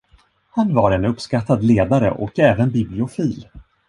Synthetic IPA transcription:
hanvaɾɛnɵpːskat̪ːad̪leːd̪aɾə̰ʔɔkɛːvənbɪblɪʊfiːl

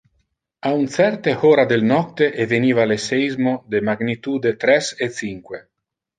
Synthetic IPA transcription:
aunt̪sɛrt̪ehoːɾad̪elnɔt̪eʔeveniːvaleseizmod̪emaɡnit̪uːd̪et̪ɾɛset̪siŋkwe

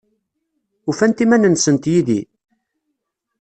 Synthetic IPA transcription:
ufænt̪imænənsənt̪jiðḭ

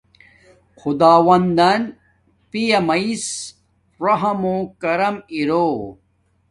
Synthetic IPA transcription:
xud̪aːwɐnd̪ɐn | pijɐmɐis | ɾɐɦɐmokɐɾɐmiɾoː

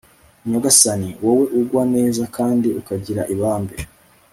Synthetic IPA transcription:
ɲaɡasaniwowe̞ʔuɡwane̞ːzakʰaːndiukaɟiɾa̰ʔiβaːmbe

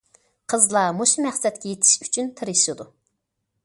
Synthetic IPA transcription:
qʰəzlˠɑmoʃmæχsɛt̪kʲɛjet̪ʰɪ̥ʃy̥t͡ʃʰynt̪ʰɨɾɨʃɨd̪u

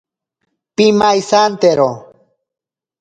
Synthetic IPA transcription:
pimajsant̪eɾo

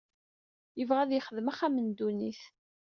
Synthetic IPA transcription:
jəvʁæðjəχəðmaχæmənd̪uniθ

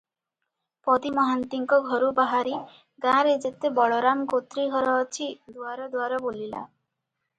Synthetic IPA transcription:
pɔd̪imɔɦant̪iŋkɔɡʱɔɾubaɦaɾi | ɡãɾed͡ʒet̪ebɔɭɔɾamɡot̪ɾiɡʱɔɾɔːt͡ʃʰid̪uaɾɔd̪waɾɔbolila̰

